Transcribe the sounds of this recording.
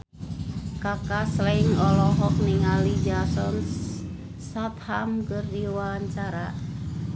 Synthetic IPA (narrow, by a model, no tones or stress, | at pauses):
kakaslaɪŋɔlɔɦɔk̚niŋalid͡ʒasɔns | sat̪̚hamkərdiwaɲt͡ʃaɾa